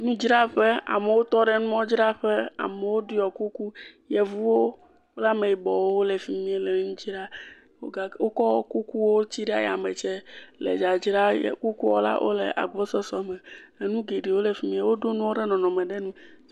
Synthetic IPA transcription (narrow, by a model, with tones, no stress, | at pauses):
nũ˦d͡ʒɾa˦ɸe˦a̰˨me˨wo˦t̪ɔ˦ɖɛ˦˨nũ˦mɔ̃˦d͡ʒɾa˦ɸɛ˦a̰˨mɛ˨wo˦di˦jɔ˨ku˦ku˦jɛ˨vu˦wo˦ | la˦me˨ji˨bɔ˨wo˦wo˦lɛ˨fi˦mĩ˦e˨lɛ˨nũ˦d͡ʒɾa˦ | wo̰˦ɡa˦wo˦kɔ˦ɔ˦ku˦ku˦wo˦t͡ɕi˦ɖɛ˦a̰˨jɛ˨a˨me˨t͡ʃɛ˦lɛ̰˨d͡ʒa˨d͡ʒɾa˦jɛ̰˨ku˦ku˦wɔ̰˦la̰˦ʔo̰˦lɛ̰˨ʔa̰˨ɡ͡bɔ˦sɔ˦sɔ˨mɛ˨le˨nũ˦ɡe˨ɖi˨wo˦le˨fi˦mĩ˦e˦wo˦ɖo˦nũ˦wo˦ɖɛ˦nɔ̃˨nɔ̃˨mɛ˨ɖɛ˦nũ˦